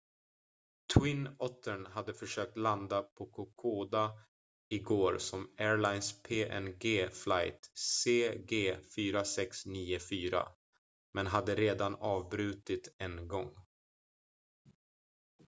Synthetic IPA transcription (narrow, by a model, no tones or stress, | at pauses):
t̪ʰwɪnɔt̪ʰːəɳɦad̪ːəfœʂøːk̚t̪land̪apʰɔkʰʊkʰoːd̪a | ɪɡoːɾsɔmæːɾɭajnspʰeːʔɛ̰nɡeːflajt̪seːɡeːfyːɾasɛksniːʊfyːɾa̰ | mɛnɦad̪ːəɾeːd̪anɑːvbɾʉ̟ːt̪ɪt̪ɛnɡɔŋː